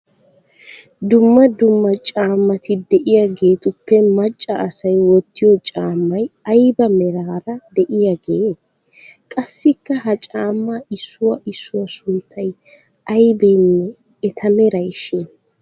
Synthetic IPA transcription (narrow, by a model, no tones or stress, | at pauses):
d̪ʊmːɐd̪ʊmːɐt͡ʃʼaːmːɐt̪ɪd̪ɛʔɪjaɡe̞ːt̪ʊpːɛmɐt͡ʃʼːɐɐsɐjwɔt̪ːɪjɔt͡ʃʼaːmːɐjɐjbɐmɛɾaːɾɐd̪ɛʔɪjɐɡeː | kʼɐsːɪkːɐhɐt͡ʃʼaːmːaɪsːʊwɐʔɪsːʊwɐsʊnt̪ʰːɐj | ɐjbɛjnːɛː | t̪ʰɐmɛɾɐjʃɛn